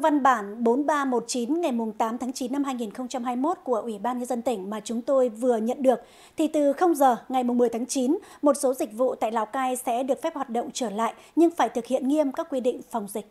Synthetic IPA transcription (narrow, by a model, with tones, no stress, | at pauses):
va˧nɓaː˧˩nɓo˨˦nɓaː˧mo˨˩t̚t͡ɕi˨˦nŋa˨˩jmʊ˨˩ŋ͡mt̪aː˨˦mt̪ʰaː˨˦ŋt͡ɕi˨˦nːa˧mɦaː˧jŋi˨˩nxə˧wŋ͡mt͡ɕa˧mɦaː˧jmo˦˥t̚ku˧˩əʔwi˧˩ɓaː˧nɲə˧nzə˧nt̪ï˧˩ŋ̟maː˨˩t͡ɕʊ˨˦ŋ͡mt̪o˧jvɨ˨˩əɲə̰˧˨nɗɨ˨˩ək̚ | t̪ʰi˨˩t̪ɨ˨˩xə˧wŋ͡mzəː˨˩ŋa˨˩jmʊ˨˩ŋ͡mmɨ˨˩əjt̪ʰaː˨˦ŋt͡ɕi˨˦nmo˨˩t̚so˨˦zï˨˩k̟̚vṵ˧˨t̪a̰ː˧˨jlaː˨˦wkaː˧jsɛ̰˧˥ɗɨ˨˩ək̚fɛ˦˥p̚hwaː˨˩t̚ɗə̰˧˨wŋ͡mt͡ɕəː˧˩la̰ː˧˨j | ɲɨ˧ŋfaː˧˩jt̪ʰɨ˨˩k̚hḭ˧˨ənŋi˧əmkaː˦˥kːwi˧ɗḭ˧˨ŋ̟fa˨˩wŋ͡mzï˨˩k̚